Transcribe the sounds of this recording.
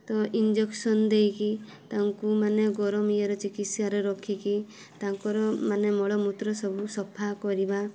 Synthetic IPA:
t̪ɔʔind͡ʒeksɔnd̪ejki | t̪aŋkumaneɡɔɾɔmijɔɾɔt͡ʃikit̪saɾeɾɔkʰiki | t̪aŋkɔɾɔmanemɔɭɔmut̪ɾɔsɔbʱusɔpʰakɔɾiba

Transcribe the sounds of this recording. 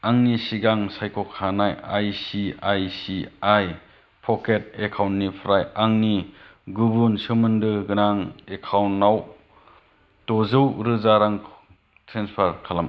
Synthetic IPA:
aŋnisiɡaŋsajkʰɔkʰanajajsiajsiaj | pʰɔket̚ekʰawntːipʰɾajaŋniɡubunsɯmɯndɯɡɯnaŋekʰawntːaw | tɔzɯwɾɯzaɾaŋ | tʰɾenspʰaɾkʰalam

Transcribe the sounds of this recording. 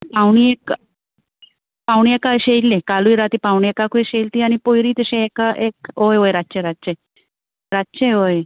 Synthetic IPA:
pawɳ̃iek | pawɳiekaɕejllːẽkaluiɾat̪iːpawɳ̃iekakueɕelt̪iːañipojɾiːt̪əɕẽekaʔekɦojɦojɾatːt͡ɕeɾatːt͡ɕe | ɾatːt͡ɕeɦoj

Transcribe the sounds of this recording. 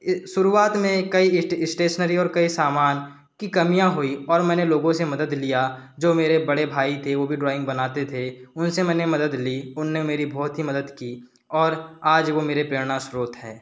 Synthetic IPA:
ʃʊɾuaːt̪mẽkɐiɪsʈeːʃnəɾiɔːɾkɐisaːmaːn | kikɐmijãɦoiɔːɾmɛ̃ːneloːɡõsemɐd̪əd̪lijad͡ʒoːmeːɾebɐɽebʱaːit̪ʰeʋoːbʱiɖɾaːɪ̃ŋɡ̚bənaːt̪et̪ʰeʊnsemɛ̃ːnemɐd̪əd̪liʊnːemeːɾibʱɔːt̪ɦimɐd̪əd̪kiː | ɔːɾaːd͡ʒʋomeːɾepɾeːɾɽ̃ãʃɾuːt̪ɦɛ̰̃ː

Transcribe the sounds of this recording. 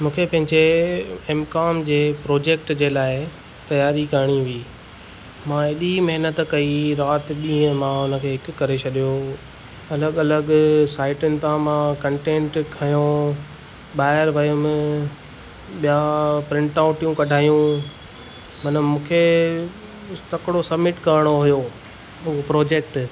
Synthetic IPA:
mũːkʰepɐ̃ɦɪ̃ɲd͡ʑeeːmkaːmd͡ʑeːpɾoːd͡ʑeːk̚ʈd͡ʑeːlaːɪ | t̪ɐjaːɾikɐɾɽ̃ĩʋiː | mãɪɗimɐɦɪnət̪kɐiɾaːt̪ɗĩːɦə̃mãʊnə̆kʰeːɦɪkʊkːɐɾet͡ɕʰɐɗijo | ɐləɡɐləɡsaːɪʈʊnɪ̆t̪ãmãkɐ̃ɳʈẽːɳʈkʰɐjõ | ɓaːɪɾʋɐjʊmɪ̃ | ɓijapɾɪ̃ɳʈaʊʈijũkɐɖʱaːjũ | mɐnəmũːkʰe | t̪ɐkɪɽosɐbmɪʈkɐɾɽ̃oɦʊjo | ɦʊɦopɾoːd͡ʑeːk̚ʈ

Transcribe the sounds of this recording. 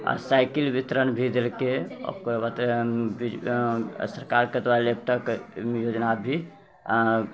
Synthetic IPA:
ɔ̰ɾsajkilbit̪ɾənbʱid̪elkeɔ̰kobat̪ɾebi | səɾkaɾkəd̪ʋalep̚ʈəkmjod͡ʒnabʱi

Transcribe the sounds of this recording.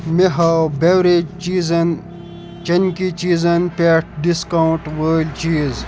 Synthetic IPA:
meɦɐwbewɾet͡ʃiːzɐn | t͡ʃɐnkit͡ʃiːzɐnpeːʈ̚ʰɖiskɐuʈwəːlʲt͡ʃiːz

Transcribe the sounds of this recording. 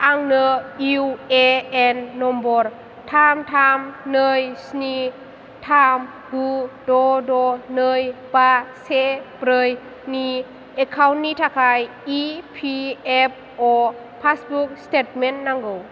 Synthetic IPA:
ʔaŋnəiweɛnːɔmbɔɾ | t̪ʰamt̪ʰamnəjsni | t̪ʰam | ɡudɔdɔnəjpasepɾəj | ni | ʔekʰawnːit̪ʰakʰaj | ipʰiɛp̚ʔɔ | pʰasbuk̚stet̚menːaŋɡow

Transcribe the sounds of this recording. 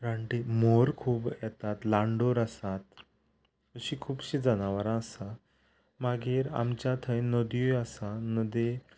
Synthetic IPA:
ɾaɳʈimoɾkʰuːbjɛt̪at̪laɳɖoɾasat̪̚ | əɕiːkʰuːbɕĩd͡zanaʋaɾãːsa | maɡiːɾa̰mt͡ɕjat̪ʰəjnəd̪juasanəd̪e

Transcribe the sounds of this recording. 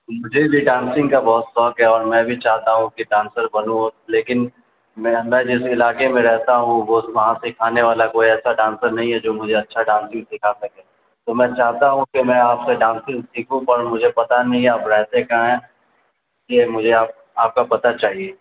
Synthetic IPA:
mʊd͡ʒʱebʱiɖãːnsɪ̃ŋɡkabɔːʊt̪sɔːkɦɛɔːɾmɛ̃ːbʱit͡ʃaːɦt̪aɦũkiɖãːnsəɾbɐnũɦoleːkɪn | mɛmɛ̃ːd͡ʒɪsɪlaːkemẽɾɛɦt̪aɦũʋoʋɐɦãsɪkʰaːneʋaːlakoːiɛːsaɖãːnsəɾnɐɦĩɦɛd͡ʒoːmʊd͡ʒʱeɐtːʃʰaɖãːnsɪ̃ŋɡsɪkʰasɐkẽ | t̪omɛ̃ːt͡ʃaːɦt̪aɦũkimɛ̃aːpseɖãːnsɪ̃ŋɡsiːkʰũpɐɾmʊd͡ʒʱepɐt̪anɐɦĩaːpɾɛɦt̪ekaɦɛ̃ː | kemʊd͡ʒʱeaːp̚ | aːp̚kapɐt̪at͡ʃaːɦieː

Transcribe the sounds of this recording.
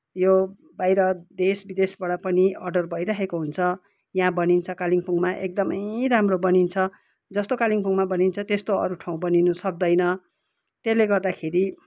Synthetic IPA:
jo | bajɾʌd̪esbid̪esbaɽʌpʌniʌrɖʌrbʱʌjɾaɦekoɦunt͡sʰʌ | jãbʌnint͡sʰʌkaliŋpʰuŋmaʔek̚d̪ʌmʌjramrobʌnint͡sʰʌ | d͡zʌst̪okaliŋpʰuŋmabʌnint͡sʰʌt̪est̪oʌ̰ɾuʈʰãw̃bʌninusʌk̚d̪ʌjnʌ | t̪eleɡʌrd̪akʰeɾi

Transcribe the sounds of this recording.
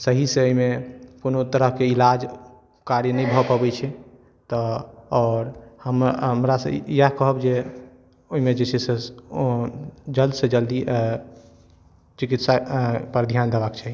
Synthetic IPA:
səɦiseoɦimeponot̪əɾəɦkeilad͡ʒ | kaɾjənəjbʱəpəbɛt͡ʃʰɛ | t̪ɔɔːɾhəməmɾasə̰ijakəɦəbd͡ʒe | oɦimed͡ʒet͡ʃʰɛse | d͡ʒəld̪sed͡ʒəld̪i | t͡ʃikit̪sapəɾd̪ʱjand̪ebakt͡ʃʰɛ

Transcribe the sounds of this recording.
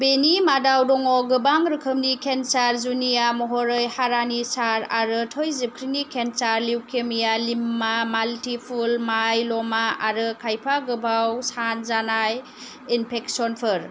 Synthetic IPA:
benimadawdɔŋɔɡɯbaŋɾɯkʰɯmnikʰensaɾzunijamɔɦɔɾɯjhaɾanisaɾaɾɯtʰɔjzip̚kʰɾinikʰensaɾliwkʰemijalimːamaltipʰulmajlɔmaaɾɯkʰajpʰaɡɯbawsanzanaj | inpʰeksɔnpʰɯɾ

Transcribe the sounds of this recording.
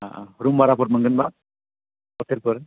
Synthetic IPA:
aɾumbaɾapɔɾmɯŋɡɯnba | ɔtʰeɾpɯɾ

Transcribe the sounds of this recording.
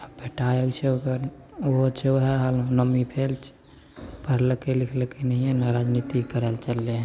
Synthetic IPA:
əbʱeʈajəɡt͡ʃʰeokəɾoɦt͡ʃʰeoɦɛɦalõnəmipʰelt͡ʃʰ | pəɽ̤lkelikʰlkenəɦiɛnaɾad͡ʒnit̪ikəɾəlt͡ʃəlːẽ

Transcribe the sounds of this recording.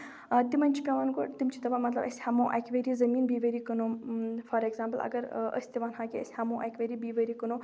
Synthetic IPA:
t̪imɐnʲt͡ʃʰi̥kʲaʋanɡoʈt̪imt͡ʃʰit̪ɐʋamɐt̪lɐ̰bɐ̰sʲhaːmoːʔa̰kʲʋeɾizɐmiːnbiːʋəɾikənufɐɾeɡzaːmpəlʔɐ̰ɡɐɾʔə̰sʲt̪iʋaːnɦaːkʲiə̰sʲhaːmoːʔa̰kʲʋeɾibiːʋəɾikənu

